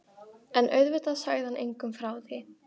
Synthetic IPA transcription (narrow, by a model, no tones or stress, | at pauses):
ɛnʔœ̰ɥðvʏt̪aðsaɣðɪhanʔḛjŋkʏmfɾaːwðɪ